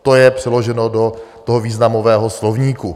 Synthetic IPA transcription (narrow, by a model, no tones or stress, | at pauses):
t̪ojɛpr̝̥ɛlo̞ʒɛnodo̞t̪oɦoviːznamo̞vɛːɦoslovɲiːku